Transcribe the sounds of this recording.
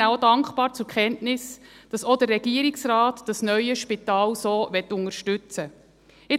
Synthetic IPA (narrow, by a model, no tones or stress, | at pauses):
æodɑŋkχbɑːɾt͡sʊɾkχɛntnɪsd̥ɑsodərːɛɡ̥iəɾɪksɾɑːtd̥ɑsnœʏəʃpitɑːlsoːvɛt̪ːʊŋəɾʃtʉt͡sə | ɪ